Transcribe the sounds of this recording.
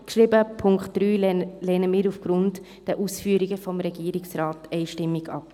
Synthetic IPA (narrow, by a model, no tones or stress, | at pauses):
kʃɾibəpʰʊŋkχtd̥ɾyːlɛːnəmɪːɾufɡ̥ɾʊnt | d̥ɛʔuːsfyːɾiɡəfɔmɾɛɡ̥iːɾɪksɾɑːtɛɪʃtɪmːɪɡɑ̰p